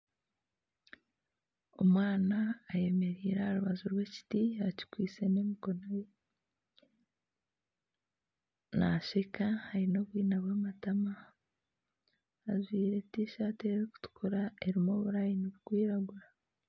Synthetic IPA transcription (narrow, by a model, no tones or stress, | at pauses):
o̞mwaːnaːje̞me̞ɾiːɾahaɾuβazuɾwe̞ci̥tiaci̥kwiːt͡se̞ne̞miko̞noje | na̰ʃekahaɾino̞βwiːnaβwamatama | zwiːɾe̞tiʃaːteːɾiku̥tu̥kʰuɾae̞ɾimo̞βuɾaːjinoβukwiːɾaɡuɾa